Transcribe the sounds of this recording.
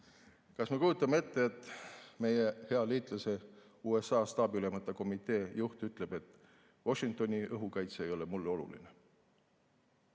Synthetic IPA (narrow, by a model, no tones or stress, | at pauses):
kɑsme̞kujut̪ːˑɑmee̞t̪ːeːt̪ːˑme̞jehe̞ɑliːt̪ˑlɑse̞ | uːe̞sɑːst̪ɑːbyle̞mɑt̪ːˑɑko̞mit̪ˑe̞ːjuht̪yt̪ˑle̞b̥e̞t̪ːˑ | wo̞ʃiŋk̚t̪o̞nʲiʔɤɦukɑjt̪see̞jo̞le̞mulːo̞lṵlḭne